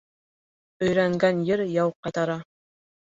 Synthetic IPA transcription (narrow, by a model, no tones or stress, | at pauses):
ɵ̆jɾæŋɡænjɘɾjɑwqɑjt̪ɑɾɑ